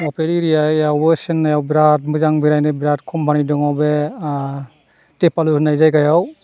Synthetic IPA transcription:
ɔpeɾiɾijajawɔsenːajawbiɾat̚mɯzaŋbiɾajnebiɾatkʰɔmpʰanidɔŋawbe | tepalunajzajɡajaw

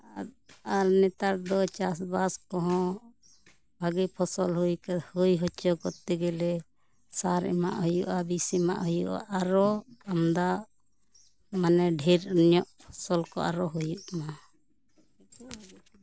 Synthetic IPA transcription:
aɾnɛt̪aɾd̪ɔt͡ʃasbaskɔɦɔ̃ | bʱaɡipʰɔsɔlɦujkhujɦɔt͡ʃɔkɔt̪ːɛɡɛlɛ | saɾɛ̰ma̰ʔɦujuʔabisima̰ʔɦujṵʔa̰ʔaɾɔamd̪a | manɛɖʱiɾunjɔʔpʰɔsɔlkɔ̰ʔa̰ɾɔɦujuʔma

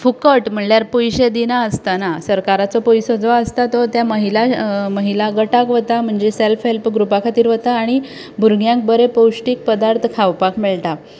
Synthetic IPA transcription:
fukəʈm̤əɳljaɾpujɕed̪inaəst̪anasəɾkaɾat͡sɔpojsod͡zʋaəst̪at̪ɔt̪jaməɦilaməɦilaɡəʈakʋət̪am̤əɳd͡zeselfɦelpɡɾupakʰat̪iːɾʋət̪aːɽ̃i | bʱuɾɡjãŋk̚bəɾepowɕʈiːk̚pəd̪aɾt̪ʰkʰawpakmeɭt̪a

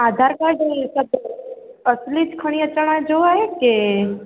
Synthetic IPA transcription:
aːd̪ʱaːɾkaɖesab | əslit͡ʃkʰəɽ̃iət͡ʃaɽ̃ad͡ʒoaːɦeke

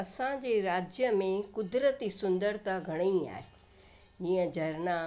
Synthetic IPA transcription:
ɐsãd͡ʑeːɾaːd͡ʑjəmẽkʊd̪ɾət̪isʊ̃nd̪əɾt̪aɡʱɐɽ̃iia̰ːɦe | d͡ʑĩːə̃d͡ʑɐɾna

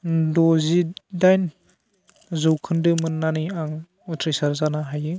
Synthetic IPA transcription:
dɔzidajn | zɯwkʰɯndɯmɯnːaniaŋ | utʰɾijsaɾzanaɦajɯ

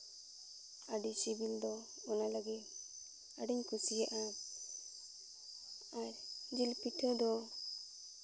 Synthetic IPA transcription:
aɖisibild̪ɔː | nalaɡi | aɖɛɲkusijaʔa | aɾd͡ʒilpiʈʰad̪ɔ

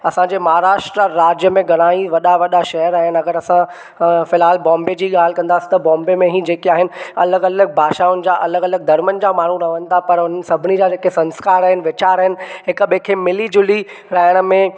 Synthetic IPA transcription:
ɐsãɲd͡ʑeːmɐɦaɾaːʃʈɾaɾaːd͡ʑjəmẽɡɐɽ̃aːiʋɐɗaʋɐɗaʃɐɦəɾaːɦɪnɪ̆ɐɡəɾɐsã | fɪlɦaːlbɔ̃ːmbed͡ʑiːɠaːl̤ɪkɐ̃nd̪aːsi̥t̪ɐbɔ̃ːmbemẽɦĩd͡ʑeːkiaːɦɪnɪɐləɡɐləɡ̚bʱaːʃaʊnɪd͡ʑaʔɐləɡɐləɡ̚d̪ɐɾmənd͡ʑamaːɳ̤ũɾɐʋə̃nt̪ʰapɐɾʊn̤ənɪ̆sɐbʱɪnid͡ʑad͡ʑeːkesɐ̃nskaːɾɐɦɪnɪ̆ʋɪt͡ɕaːɾɐɦɪnɪ̆ɦɪkɓeːkʰemɪlid͡ʑʊli | ɾɐɦəɽ̃ə̆mẽ

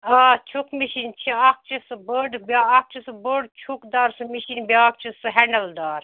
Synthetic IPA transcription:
at͡ʃʰukmiʃint͡ʃʰiak̚t͡ʃʰisɨbəɖbʲaːk̚t͡ʃʰisɨbəɖt͡ʃʰukd̪aːɾsɨmiʃinbʲaːk̚t͡ʃʰisɨɦɛnɐld̪aːɾ

